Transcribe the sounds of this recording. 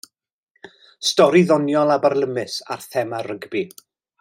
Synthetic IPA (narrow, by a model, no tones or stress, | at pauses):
stɔɾiðɔnjɔlˠabarlˠəmɨsa̰rθɛmarəɡbi